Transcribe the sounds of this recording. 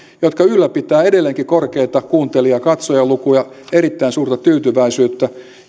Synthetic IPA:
jot̪kɑylːæpit̪ˑæːedelːeŋkikorkeit̪ɑkuːnt̪eliɑkɑt̪sojɑlukujɑ | eɾit̪ːæinsuːrt̪ɑt̪yːt̪yʋæisyːt̪ːæ

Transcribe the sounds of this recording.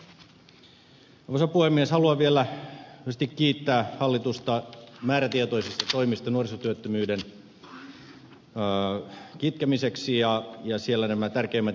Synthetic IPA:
ʋosɑpuhemːieshɑluɑʋielæyæst̪ikːiːt̪ːæːhɑlːit̪ust̪ɑmæːɾæt̪iet̪o̞isist̪ɑt̪o̞imist̪ɑnuorisot̪yøt̪ːømyːden | kit̪̚kæmiseksijɑjɑsielːænæmæt̪ærk̟eimːæt̪

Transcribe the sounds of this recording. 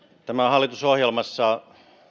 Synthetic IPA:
t̪æmæhɑlːˑit̪usohjelmɑsːɑ

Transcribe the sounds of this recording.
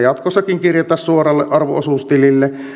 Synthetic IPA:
jɑt̪kosːɑkiŋkirjot̪ɑssuorɑlːeʔɑrʋo̰osuˑst̪ililːe

